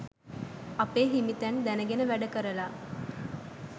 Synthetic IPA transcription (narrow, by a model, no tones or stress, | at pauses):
ɐpeːɦimit̪ænd̪ænəɡenəʋæɖəkəɾəlaː